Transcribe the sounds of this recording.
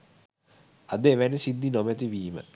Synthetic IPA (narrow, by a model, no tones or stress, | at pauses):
ad̪eʋænisid̪ːinomɛt̪̬iʋiːmə̰